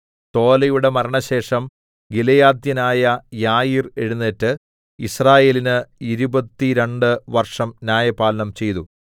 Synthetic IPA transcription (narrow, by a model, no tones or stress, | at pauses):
t̪o̞ːlɐjuɽe̞mɐɾɐɳɐɕe̞ːʂɐm | ɡilɐjaːd̪jɐnaːjɐjaːjire̞ɻunːetːɨ | israːje̞ːlinɨiɾubɐt̪ːiɾe̞ɳɖɨʋɐrʂɐmnjaːjɐpaːlɐnɐmt͡ɕe̞jt̪u